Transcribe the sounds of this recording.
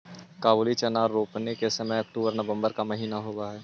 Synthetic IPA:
kaːboːlit͡ʃɐnaːɾɾoːpnekesɐmɛɐk̚ʈuːbəɾnəʋə̃mbəɾkamɐɦiːnaɦoːɡaɦɛː

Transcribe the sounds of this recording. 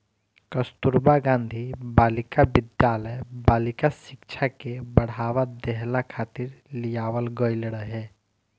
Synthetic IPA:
kəst̪uɾbaɡãːnd̪ʱibaːlɪkaʋɪd̪jaːləjbaːlɪkasɪkt͡ʃʰakebəɽ̤aːʋad̪ɛɦlakʰaːt̪ɪɾlijaːʋəlɡəilɽəɦɛː

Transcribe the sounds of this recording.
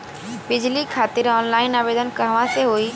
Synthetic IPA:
bɪd͡ʒlikʰaːt̪ɪɾɔːnlaːɪnaːʋeːd̪ənkəɦʋãseɦoːi

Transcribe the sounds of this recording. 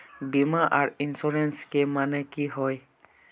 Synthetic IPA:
bimaʔaɹinsuɹɛnskemanɛkiɦɔj

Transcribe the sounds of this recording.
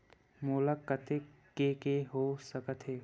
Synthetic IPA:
moːlakːət̪ekekeɦosəkət̪ɦeː

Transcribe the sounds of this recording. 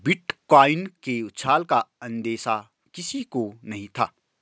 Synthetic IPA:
bɪʈkaːɪnkeʊt̪sʰaːlkaɐ̃nd̪eːsa | kɪsikonɐɦĩt̪ʰa̰ː

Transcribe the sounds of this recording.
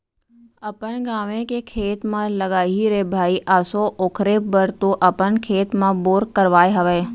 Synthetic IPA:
əpənɡaːʋẽkekʰeːt̪mãləɡaːɦiɾebʱaːiʔaːsoʔoːkʰɾebəɾt̪oʔəpənkʰeːt̪mãboːɾkəɾʋaːjɦəʋeː

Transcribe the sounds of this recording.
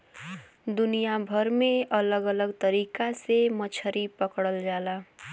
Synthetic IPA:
d̪unijabʱʌɾmeʔʌlʌɡʌlʌɡt̪ʌɾikasemʌt͡ʃʰʌɾipʌkɽʌld͡ʒala

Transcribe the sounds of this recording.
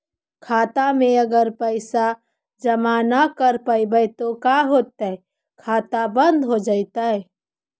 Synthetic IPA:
kʰaːt̪amẽəɡəɾpəɪsa | d͡ʒɐmaːnakəɾpəibəjt̪okaɦoːt̪ːə | kʰaːt̪abə̃nd̪ɦod͡ʒaːɪt̪aɦɛː

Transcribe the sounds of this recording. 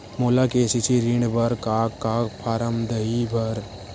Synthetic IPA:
moːlakeːsit͡ʃʰiɾiɳɖbɐɾkaːkːaːkpʰaːɾəmd̪əibʱɐɾ

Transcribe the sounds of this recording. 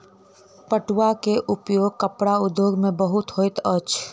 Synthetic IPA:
pəʈwakeʔʊpjoːɡ̚kəpɽaʊd̪joːɡmẽbəɦʊt̪ɦoɪt̪ət͡ʃʰ

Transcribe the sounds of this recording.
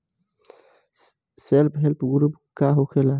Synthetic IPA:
selpɦelpɡuɾupkaɦokʰela

